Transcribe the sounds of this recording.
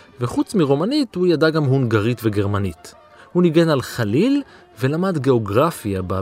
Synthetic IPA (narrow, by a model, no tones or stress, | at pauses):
veχut͡smiʁomanithujadaɡamɦunɡaʁitve̞ɡe̞ʁmanit | huniɡe̞nalχalil | ve̞lamadɡe̞o̞ɡʁafjaba